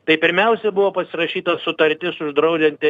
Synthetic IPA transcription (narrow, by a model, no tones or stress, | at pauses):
t̪ɐɪpʲɪɾʲmʲɛʊsʲɛbʊʋoːpɐsʲɪɾɐʃʲiːt̪ɐsʊt̪ɐɾʲt̪ʲɪsʊʒd̪ɾɐʊd͡ʒʲɛnʲt̪ʲ